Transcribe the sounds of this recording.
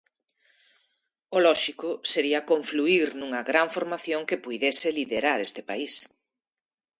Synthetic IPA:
olɔʃikʊseɾiɐkõɱfluiɾnuŋɐɣɾaɱfoɾmaθjoŋkepujðesɪliðeɾaɾest̪ɪpa̰is

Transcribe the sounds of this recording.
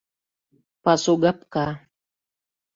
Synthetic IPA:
pasoɡapka

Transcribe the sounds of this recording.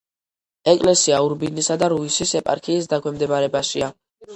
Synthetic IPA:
ɛkʼlɛsiauɾbinisad̪aɾuisisɛpʼa̰ɾkʰiːs̬d̪akʰwɛmd̪ɛbaɾɛbaʃia

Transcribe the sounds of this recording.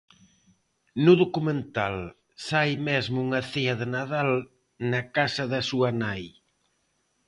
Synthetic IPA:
nʊðokumẽnt̪al | sajmezmʊuŋɐθeɐðɪnað̞al | nɐkasɐðɐsuɐnaj

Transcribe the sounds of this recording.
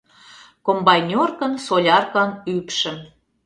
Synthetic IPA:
kombɑjnʲorkə̆nsolʲɑrkɑnypʃə̆m

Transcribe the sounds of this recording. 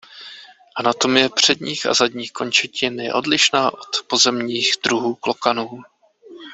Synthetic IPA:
ʔanat̪o̞mjɛpr̝̥ɛdɲiːxa̰zadɲiːxko̞nt͡ʃɛcɪnjɛ̰ʔo̞dlɪʃnaːʔo̞t̪po̞zɛmɲiːxd̪ɾuɦuːklo̞kanuː

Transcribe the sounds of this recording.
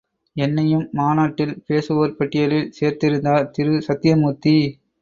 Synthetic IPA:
ɛnːɐjɯmːaːnaːʈːɪlpeːsɯʋɐɾpɐʈːɪjɐlɪlseːɾt̪ɪɾɯnd̪aːlt̪ɪɾɯsɐt̪ːɪjɐmuːt̪ːi

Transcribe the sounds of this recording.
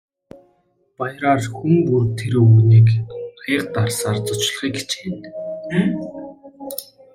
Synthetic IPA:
pajɾaːrxuŋɡurt̪ʰeɾoːniːkχiːqt̪arsaːrt͡sʊ̥t͡ɕɮ̆χiːke̥t͡ɕxen

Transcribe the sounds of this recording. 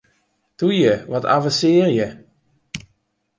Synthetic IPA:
tujəʋɔtʰa̰vəsɪːrjə

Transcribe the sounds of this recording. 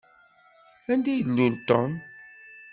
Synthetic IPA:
ænd̪ilult̪ɔn

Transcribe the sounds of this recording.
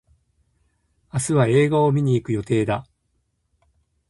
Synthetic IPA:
asɨβae̞ːɡaomʲiɲ̟iːkɯ̟jo̞t̪e̞ːd̪a

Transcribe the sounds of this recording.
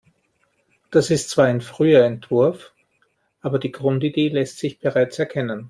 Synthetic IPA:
d̥asɪstt͡sv̥aːɐaɪnfʁ̥yːɐɛntv̥ʊɐf | ʔaːbɐdiːɡʁʊntideːlɛstz̥ɪçb̥eʁaɪt͡sɛɐkʰɛnən

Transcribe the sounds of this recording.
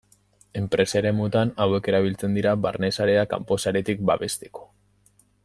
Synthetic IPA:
e̞mpɾe̞saeɾe̞mut̪anawe̞ke̞ɾaβ̞ilt͡se̞nd̪iɾaβa̰ɾne̞saɾe̞aka̰mpo̞saɾe̞t̪ik̚baβe̞st̪e̞̥ko̥

